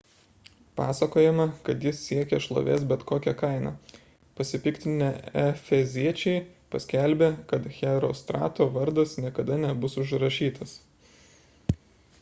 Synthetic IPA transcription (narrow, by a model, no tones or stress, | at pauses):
pɑːsɐkoːjɛmɐkɐt̪jɪsːʲiɛkʲɛʃlˠo̰ːʋʲḛːsbʲɛt̪koːkʲɛkɐɪnɑ̰ː | pɐsʲɪpʲɪkt̪ʲɪnʲeɛfʲɛzʲiɛt͡ʃʲɛɪpɐsʲkʲɛlʲbʲeːkɐt̪xʲɛɾo̰ːst̪ɾɑ̰ːt̪oːʋɐɾd̪ɐsnʲiɛkɐd̪ɐnʲɛbʊsʊʒɾɐʃʲiːt̪ɐs